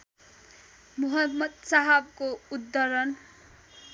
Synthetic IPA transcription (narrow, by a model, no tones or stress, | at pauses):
muɦʌmːʌd̪saɦʌb̚koud̪ːʌɾʌn